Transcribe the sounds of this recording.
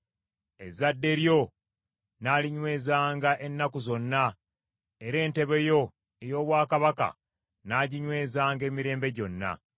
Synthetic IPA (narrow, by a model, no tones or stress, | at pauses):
e̞̰zadːe̞ɾjo̞ | naːliɲwe̞ːzaːŋɡaʔe̞nːakuzo̞nːa | eɾe̞ːnte̞βe̞jo̞ | ejo̞ːβwaːkaβaka̰ | naːɟiɲwe̞ːzaːŋɡe̞ːmiɾe̞ːmbe̞ɟo̞nːa̰